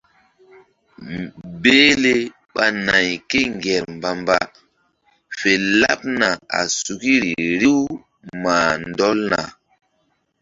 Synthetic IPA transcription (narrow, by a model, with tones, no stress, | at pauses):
beː˦le˦ | ɓa˨na˨jke˦ŋɡɛ˨ɾmba˨mba˨ | fe˨la̰˦p̚na˨a̰˨su˨ki˦ɾi˨ɾi˦w | maː˨ndɔ˦lna̰˨